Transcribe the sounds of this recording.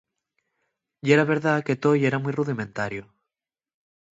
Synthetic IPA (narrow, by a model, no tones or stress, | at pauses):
ieɾaβe̞ɾðaket̪ojeɾamujruðimẽnt̪aɾjo